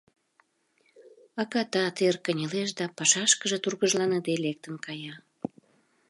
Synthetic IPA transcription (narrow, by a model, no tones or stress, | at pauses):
ɑkɑt̪ɑt̪erkənʲeleʃd̪ɑpɑʃɑʃkəʒet̪urɣəʒlɑned̪elek̚t̪ənkɑjɑ